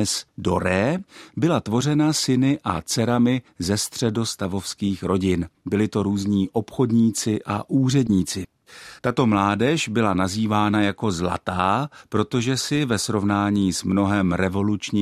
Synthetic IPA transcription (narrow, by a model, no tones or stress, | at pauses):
ɛsdo̞ɾɛːbɪlat̪vo̞r̝ɛnasɪnɪʔa̰t͡sɛɾamɪzɛst̪r̝̥ɛdo̞st̪avo̞fskiːxɾo̞ɟɪnbɪlɪt̪o̞ɾuːzɲiːʔo̞pxo̞dɲiːt͡sɪʔa̰ʔuːr̝ɛdɲiːt͡sɪ | t̪at̪o̞mlaːdɛʃbɪlanaziːvaːnajako̞zla̰t̪aːpɾo̞t̪o̞ʒɛsɪvɛsɾo̞vnaːɲiːsmno̞ɦɛmɾɛvo̞lut͡ʃɲiː